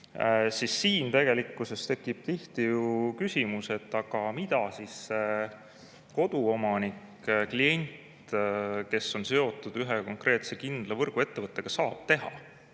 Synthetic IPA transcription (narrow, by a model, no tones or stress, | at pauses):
sisːiːnt̪e̞ɡ̥e̞likːˑuse̞st̪e̞kːˑib̥̚t̪iht̪ijukysimuse̞t̪ːˑɑɡ̥ɑmid̪̥ɑsisːe | ko̞d̪̥uo̞mɑnik | klie̞nʲt̪ke̞sːo̞nse̞o̞t̪ːˑud̪̥yɦeko̞ŋkre̞ːt̪se̞kind̪̥lɑvɤrɡ̥ue̞t̪ːe̞vɤt̪ˑːe̞ɡ̥ɑsɑːb̥t̪e̞ɦɑ̰